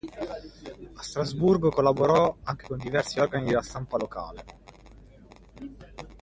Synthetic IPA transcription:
ast̪ɾazburɡokolːaboɾɔaŋk̟e̥kond̪ivɛrsiɔrɡanid̪elast̪ampaloka̰ːle

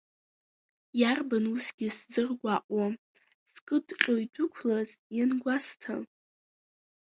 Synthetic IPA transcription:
jarbanusɡʲiszɨrɡʷaʔʼwa | skʼɨdqʲʼojdʰʷʊkʷʰlazjanɡʷastʰa̰

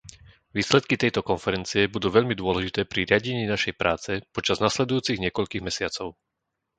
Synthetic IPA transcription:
ʋiːslɛt̪kit̪ɛjt̪ɔkɔnfɛɾɛnt͡siɛbud̪uːʋɛʎmid̪ʊɔlɛʒit̪ɛːpɾiɾɪaɟɛɲiːnaʃɛjpɾʔaːt͡sɛpɔt͡ʃaznaslɛd̪ujuːt͡siɣɲɪɛkɔʎkiːɣmɛsɪat͡sɔʊ

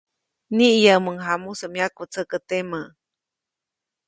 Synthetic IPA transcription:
niʔjaməŋɦamusəmjakut͡sʰəkət̪emə

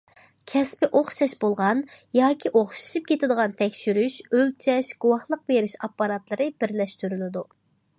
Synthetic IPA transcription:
kʲʰɛspɪʔoχʃɑʃbolˠʁɑnjɑːkʲʰiʔoχʃu̥ʃip̚kʲʰet̪ɪd̪əʁɑnt̪ʰɛkʲʃyɾyʃølt͡ʃʰɛʃɡ̥uwɑhlˠəq̚beɾɪʃɑpːɑɾɑt̪lˠɨɾɨbɪɾlɛʃt̪yɾylɪd̪u

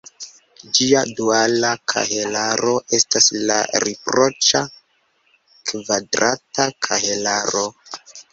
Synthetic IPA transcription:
d͡ʒiadualakʰa̰ɦelaɾo̞ʔe̞stasla̰ɾipɾo̞t͡ʃa | kvadɾatakʰa̰helaɾo̞

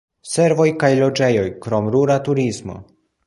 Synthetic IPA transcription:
se̞ɾvo̞jkajlo̞d͡ʒe̞jo̞jkɾo̞mɾuɾatuɾizmo̞̰

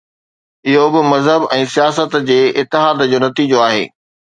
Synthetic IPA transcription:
ɪɦobɪmɐzɦəbɛ̃ːsijaːsət̪d͡ʑeːɪt̪ːɪɦaːd̪d͡ʑoːnɐt̪iːd͡ʑoaːɦḛː

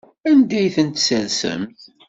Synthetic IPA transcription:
ænd̪æjθənt̪sælsə̰mt̪

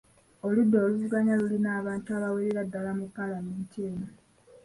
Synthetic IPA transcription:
oludːo̞ːluvuɡaɲalulinaːβaːntuaβaweɾeɾadːalamupːalameːntieːna

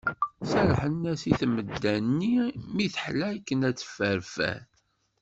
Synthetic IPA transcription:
sæɾħənːæsiθməd̪ːænːimiθəħlækːənæt͡sːə̥fəɾfæ̰θ

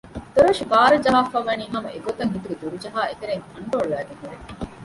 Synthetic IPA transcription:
t̪oɾɐʃibaːɾɐd͡ʒɐɦaːfɐʋːɐniːɦɐmɐʔeɡot̪ɐŋɦit̪uɡed̪uɾud͡ʒɐɦaːet̪eɾeŋkɐɳɖoːɭːæːɡeŋɦuɾe

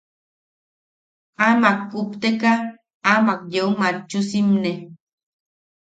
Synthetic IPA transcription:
amak̚upt̪ekaː | makjeumat͡ʃːusimne

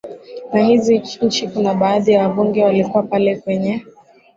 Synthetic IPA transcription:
nahiziɲ̩t͡ʃikunaɓaːðijawaɓuŋɡɛwalikuwapalɛkwɛɲɛ

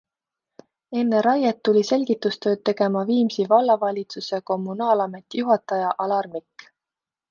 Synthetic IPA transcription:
e̞nːeɾɑjɑt̪ːulʲise̞lʲɡ̥it̪ːˑust̪ø̞ːd̪̚t̪e̞ɡ̥e̞mɑviːmsivɑlːɑvɑlʲit̪suseko̞mːunɑːlɑme̞t̪ːijuɦɑt̪ˑɑjɑʔɑlɑrmikː

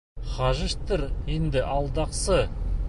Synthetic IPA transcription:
χɑʒəʃt̪əɾend̪ɪʔɑlˠd̪ɑqsə

